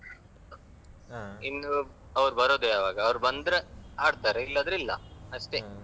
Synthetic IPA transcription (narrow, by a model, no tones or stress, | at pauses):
inːu | ɐʋɾubɐɾoːd̪eaːʋaːɡɐːʋɐɾubɐnd̪ɾeaːɖt̪aːɾeilːɐːd̪ɾilːɐ̰ɐʂʈe